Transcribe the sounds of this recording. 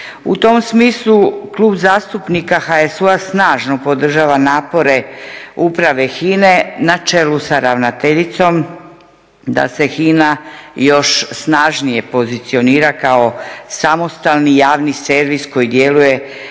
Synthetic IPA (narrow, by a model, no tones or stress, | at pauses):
ṵt̪o̞msmiːslˠuklˠuːbzaːst̪upnikaxaesuasnaːʒno̞pod̪r̩ʒaːʋanaːpo̞ɾe̞upɾaʋe̞xiːne̞nat͡ʃe̞lusaɾaʋnat̪eʎit̪so̞m | d̪a̰se̞xiːnajo̞ʃsnaːʒnije̞po̞zit̪sio̞niːɾakao̞samo̞st̪alˠnijaːʋnise̞ɾʋisko̞jid̪je̞luje̞